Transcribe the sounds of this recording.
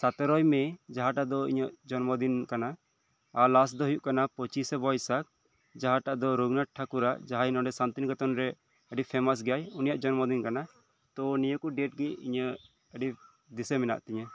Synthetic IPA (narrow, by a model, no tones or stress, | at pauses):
sat̪ɔɾɔjmɛd͡ʒaɦaʈaʔd̪ɔḭɲəʔd͡ʒɔnmɔd̪inkanaː | lasd̪ɔɦujuʔkanapɔt͡ʃisɛbɔjsak̚ | d͡ʒaɦaʈaʔd̪ɔɾuɡnaʈ̚ʈʰakuɾaʔd͡ʒaɦainɔɖɛsant̪inɡɔt̪ɔnɾɛ | əɖipʰɛmas̬ɡajunijaʔd͡ʒɔnmɔd̪inkana | t̪ɔnijəkuɖɛʈ̚ɡɛḭɲə | əɖi | d̪isemɛna̰ʔt̪ɛɲə